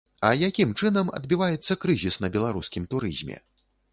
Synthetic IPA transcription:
ɐjakʲimt͡ʂɨnɐmɐ̰d̪̚bʲivajɛt̪sːɐkɾɨzʲisnɐbʲɛlˠaɾuskʲimt̪uɾɨ̰zʲmʲɛ̰

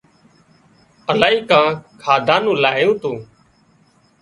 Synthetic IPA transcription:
əlaːiːkãːkʰaːd̪ʱãːnũːlaːɦjũːt̪oː

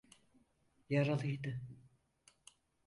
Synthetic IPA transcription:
jaɾalˠɯjd̪ɯ

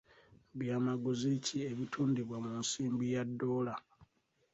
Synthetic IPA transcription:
βjaːmaɡuzicieβitʰuːndiβwamunsiːmbijadːo̞ːla

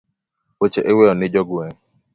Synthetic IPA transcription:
wet͡ʃɛʔewɛɔnɪd͡ʒɔɡɛ

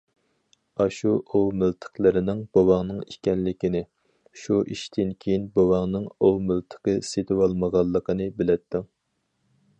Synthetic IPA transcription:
ɑʃuʔowmɪlt̪ʰə̥qlˠɨɾɪnɪŋb̥owɑŋnɨŋikʲɛnlɪkʲinɪ | ʃuʔiʃt̪ʰɪnkʲʰejinbowɑŋnɨŋowmylt̪ʰə̥qəset̪ʰɨwɑlˠməʁɑlˠːəqʰənɨbɪlɛt̪ːu

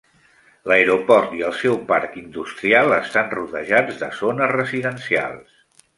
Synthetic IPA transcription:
ləeɾopɔɾt̪iəlˠsɛwpaɾkind̪ust̪ɾialˠəst̪anruðəʒad͡zðəzonəzrəziðənsia̰lˠs

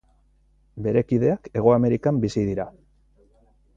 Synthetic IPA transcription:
be̞ɾe̞kið̞e̞ake̞ɣ̞o̞ame̞ɾikambisið̞iɾa

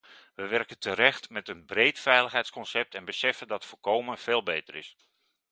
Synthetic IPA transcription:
ʋəʋɛrkəntəɾɛxtmɛtənbrejtfɛjləxɦɛjtskɔnsɛp̚tʰɛnbəsɛfəndɑtfolˠkowmənfeːlˠbejtərɪ̰s

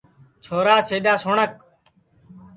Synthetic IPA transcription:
t͡ʃʰoːɾaːseːɗaːsoɳək̚

